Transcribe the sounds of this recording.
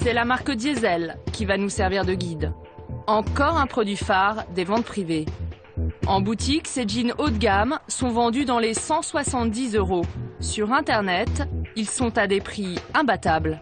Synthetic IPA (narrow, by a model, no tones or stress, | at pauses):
sɛlamaʁkəd̪jezɛlkʲivanusɛʁviʁd̪əɡʲid̪ | ɑ̃kɔʁɛ̃pχɔd̪ɥifaʁd̪evɑ̃t̪̚pχive | ɑ̃but̪iksed͡ʒinot̪ɡʲamsɔ̃vɑ̃d̪yd̪ɑ̃lesɑ̃swasɑ̃t̪̚d̪izøʁosyʁɛ̃t̪ɛʁnɛt̪ilsɔ̃t̪ad̪epχiɛ̃bat̪abl